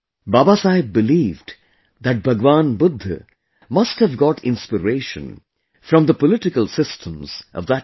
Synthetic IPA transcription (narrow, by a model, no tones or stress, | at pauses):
baːbasaɪbɨlivd | ðɨʈ̚bʱʌɡʋãnbʊd̪ʱːɨ̰ | mʌsthəvɡɔʈʰɪ̃nspɨɾeɪʃə̰̃n | fɾʌ̃mðəpəlɪʈɪkəlˠsɪstʰə̃mz̥ʔʌ̰vðət̚